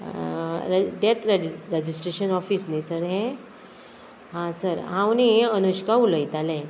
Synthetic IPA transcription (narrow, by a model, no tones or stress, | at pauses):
ɾɖet̪ɾɾed͡ʑisʈɾeɕənɔfiːsnisəɾɦɛ̃ | ɦãsəɾɦãwniənuɕkauləjt̪alɛ̃